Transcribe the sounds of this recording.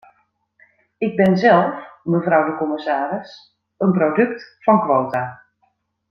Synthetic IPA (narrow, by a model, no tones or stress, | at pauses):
ɪɡ̚bɪnzɛlˠfməvrɔwdəkɔməsaːɾɪs | ənprowdɵktfɑnkʋowta